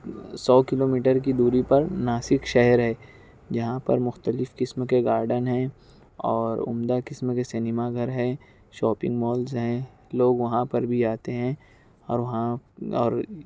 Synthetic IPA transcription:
sɔːkɪloːmiːʈəɾkid̪uːɾipɐɾnaːsɪkʃɛɦəɾɦɛː | d͡ʒɐɦãpɐ̰ɾmʊxt̪əlɪfkɪsmkeɡaːɾɖənɦɛ̃ː | ɔːɾʊ̰md̪akɪsmkesɛnɪmaɡʱɐɾɦɛ̃ː | ʃɔːpɪ̰̃ŋɡmɔːlzɦɛ̃ | loːɡʋɐɦãpɐɾbʱiaːt̪eɦɛ̃ː | ɔːɾʋɐɦãɔːɾ

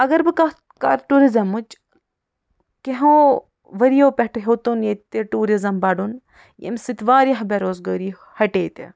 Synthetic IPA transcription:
ɐɡɐɾbɨkɐ | ka̰ɾʈuɾizɐmut͡ʃ | keɦõː | ʋɐɾijoːpeʈɦot̪unjet̪eʈuːɾizɐmbɐɖun | jḛmsit̪ʋaːɾjɐɦbeɾoːzɡɐːɾi | hɐʈeːt̪ḛ

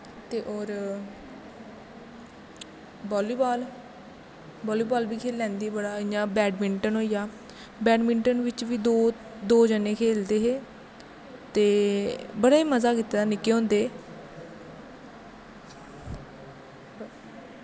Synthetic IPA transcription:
t̪eːʔoːɾ | bɔːliːbɔːl | bɔːliːbaːlbiːkʰeːlːɛ̃ːnd̪iːbəɽaːɪjãːbɛːɖmɪɳʈənɦoːijaː | bɛːɖmɪ̃ɳʈənʋɪt͡ʃʋiːd̪oː | d̪oːd͡ʒənẽːkʰeːld̪eːɦeː | t̪eːbəɽaːiːməzaːkiːt̪ːeːd̪aːnɪkːeːɦõːnd̪eː

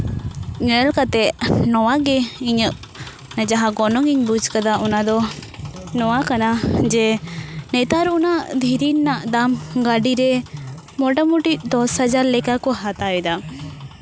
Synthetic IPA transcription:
ɲənɛlkat̪ɛʔnɔwaɡɛiɲəʔ | nad͡ʒaɦaɡɔnɔŋiɲbud͡ʒkad̪aʔɔnad̪ɔ | nɔwakanad͡ʒɛnɛt̪aɾɔnaʔd̪ʱiɾinnːaʔd̪amɡaɖiɾɛ | mɔʈamuʈiʔ̚d̪ɔshad͡ʒaɾlɛkakɔɦat̪ajɛd̪a

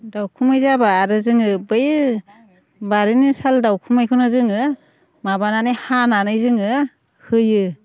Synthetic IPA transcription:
dawkʰumajzabaːɾɯzɯŋɯbɯj | baɾinisaldawkʰumajkʰunɯzɯŋɯ | mabananɯjhananɯjzɯŋɯ | hɯjɯ

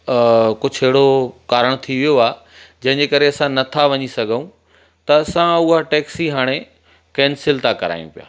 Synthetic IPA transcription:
kʊd͡ʑʱɪɦɪɽokaːɾəɽ̃t̪ʰiʋijoaː | d͡ʑɐ̃ɦɪ̃ɲd͡ʑekɐɾeɐsãnɐt̪ʰaʋɐɲisɐɡʱəũ | t̪ɐɐsãʊɦaʈɛːksiɦaːɽ̃e | kɛːnsɪlt̪akɐɾa̰ːij̃ṵ̃pija̰ː

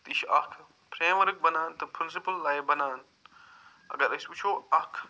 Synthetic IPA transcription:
t̪iʃɐkʰ | pʰɾeːmʋɐɾk̚bɐnaːnt̪ɐpʰɾɪ̃ns̬ipəlːaːjebɐnaːn | ɐ̰ɡɐɾɐsbit͡ʃʰoːɐkʰ

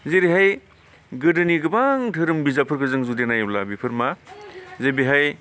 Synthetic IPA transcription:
zeɾiɦaj | ɡɯdɯniɡɯbaŋtʰɯɾɯmbizapʰɯɾɡɯzɯŋzudenajlabipʰɯɾmazebiɦaj

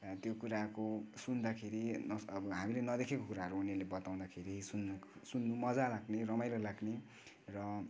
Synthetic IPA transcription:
t̪jokuɾakosund̪akʰeɾinʌʌbʌɦamilenʌd̪ekʰekokuɾaɦʌɾuːnelebʌt̪aw̃d̪akʰeɾisunːsunːumʌd͡zalaɡnerʌmajlʌlaɡne | rʌ

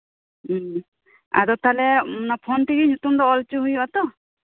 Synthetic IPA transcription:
a̰d̪ɔt̪alɛmɔnapʰɔnʈiɡiɲut̪umd̪ɔːlt͡ʃuɦujbat̪ɔ

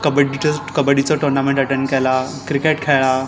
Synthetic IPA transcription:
kəbəɽit͡ɕəkəbəɽit͡sɔʈɔɾnamẽɳʈəʈeɳɖkɛla | kɾikeʈkʰɛɭa

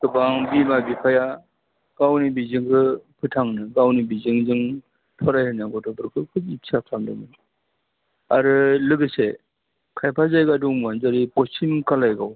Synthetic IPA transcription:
tɯbaŋbimabipʰaja | ɡ̥awnibizɯŋkɯpʰɯtʰaŋnɯɡawnibizɯŋzɯŋ | pʰɔɾajhɯnaɡɔtʰɔpɯɾkʰɯkʰɯisʰap̚ʰtʰaŋlɯ̰nɯ | aɾɯlɯɡɯse | kʰajpʰazajɡaduŋmanzaɾipɔsimkalajɡaw

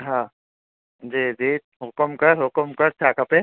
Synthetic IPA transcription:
ɦã | d͡ʒiːd͡ʒiː | ɦʊkəmkɐɾɦʊkəmkɐɾt͡ʃʰaːkɐpe

